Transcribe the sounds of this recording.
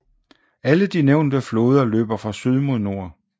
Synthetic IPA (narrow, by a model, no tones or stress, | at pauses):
æləd̥ineʊ̰nd̥əflo̝ːð̞ˠɐlø̰ːb̥ɐfʁɑ̈syð̞ˠmo̝ðˠno̝ɐ̰